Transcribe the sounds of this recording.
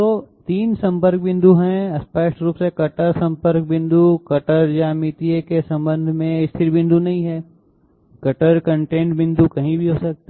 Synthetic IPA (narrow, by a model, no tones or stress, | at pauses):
t̪ot̪iːnsɐ̃mpəɾk̚bɪ̃nd̪ʱuɦɛ̃ɐspaːɪʃʈɾuːpsekɐʈəɾsɐ̃mpəɾk̚bɪ̃nd̪ukɐʈəɾd͡ʒamit̪iekesɐ̃mbə̃nd̪ʱmẽɪst̪ʰɪɾbɪ̃nd̪unɐɦĩɦɛː | kɐʈəɾkə̃ɳʈẽːɳʈbɪ̃nd̪ukɐɦĩbʱiɦoːsɐk̚t̪a